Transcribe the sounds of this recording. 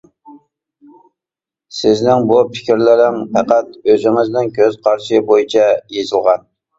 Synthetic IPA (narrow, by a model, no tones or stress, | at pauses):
sɪznɪŋbupʰɪ̥kʲɪɾlɪɾɪŋpʰɛqæt̪̚øzɪŋɪznɪnkʲʰøz̥qʰɑɾʃɪbojit͡ʃʰɛjezɨlˠʁɑn